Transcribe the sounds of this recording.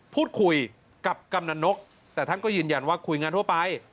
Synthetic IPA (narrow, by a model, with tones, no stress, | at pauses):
pʰuː˥˩t̪̚kʰu˧j | ka˨˩p̚ka˧mna˧no˦˥k̚ | t̪ɛː˨˩t̪ʰa˥˩nkɔː˥˩jɯː˧nja˧nwaː˥˩kʰu˧jŋaː˧nt̪u˥˩əpa˧j